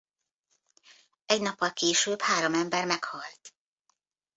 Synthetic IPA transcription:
ɛɟnɒpːɒlkeːʃøːbhaːɾo̞mɛmbɛrmɛkhɒlt̪

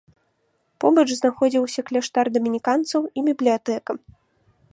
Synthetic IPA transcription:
pɔbɐt͡ʂznaxɔd͡zʲiwsʲɐklʲɛʂt̪ard̪ɐmʲinʲikant̪sɐwibʲiblʲijat̪ɛkɐ

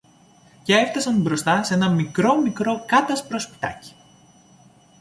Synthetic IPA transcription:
ceeft̪ɐsɐnbɾo̞st̪ɐsenɐmikɾo̞mikɾo̞kɐt̪ɐspɾo̞spi̥t̪ɐ̰ci̥

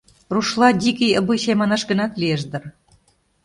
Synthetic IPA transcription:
ruʃlɑd̪ʲikijəbɯjɕemɑnɑʃɡə̆nɑt̪lieʃd̪ɤ̆r

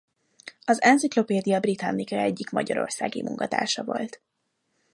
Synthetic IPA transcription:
ɒzɛnziklo̞peːd̪ijɒbrit̪ɒnːikɒɛɟːikmɒɟɒɾo̞̰rsaːɡḭmṵŋkɒt̪a̰ːʃɒvo̞lt̪

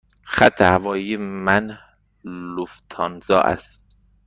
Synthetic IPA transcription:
xæt̪ʰːehævɒːjimænh | luft̪ʰɒnzɒːʔæ̰st̪

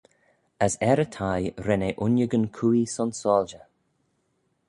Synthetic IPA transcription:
əsɛɾətʰajɾɛneʔʊnjəɡənkʰuːisɔnsɔːld͡ʒə

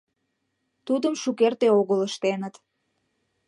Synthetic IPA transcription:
t̪ud̪əmʃukert̪eoɣələʃt̪enət̪

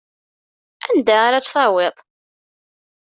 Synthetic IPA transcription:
æ̰nd̪aaɾat͡sːθˤɑweðˤ

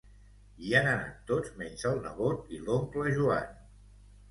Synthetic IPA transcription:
ianəna̰t̪ːod͡zmɛnzəlˠnə̰βot̪ilomkləʒua̰n

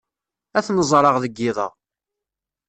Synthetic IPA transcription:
æθnəzˤɾˤɑʁðəɡːɪðˤɑ̰ʁ

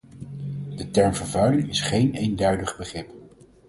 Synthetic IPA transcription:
dətɛɹmvəɹvœɥlɪŋɪsχejnejndœɥdəχbəχrɪp

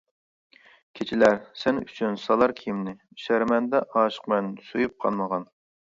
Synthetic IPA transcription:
kʲʰet͡ʃʰilæɾsɛnyt͡ʃʰynsɑlˠɑɾkʲʰiimnɪ | ʃæɾmɛnd̪ɛʔɑːʃə̥qmɛnsojup̚qʰɑlˠməʁɑn

